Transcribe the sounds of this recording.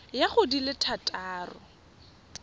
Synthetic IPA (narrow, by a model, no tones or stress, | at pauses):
jaχʊdilɪtʰatʼaːrʊ̰